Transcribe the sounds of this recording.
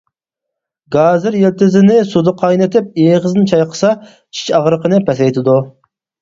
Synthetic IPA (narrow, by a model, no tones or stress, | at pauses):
ɡɑːzɪɾjelt̪ɪzɪnɪsud̪ɨqʰɑjnɪt̪ʰɪp̚eːʁəznɨnt͡ʃʰɑjqʰə̥sɑ | t͡ʃʰi̥t͡ʃɑʁɾəqʰənɨpʰɛsɛjt̪ʰɪd̪u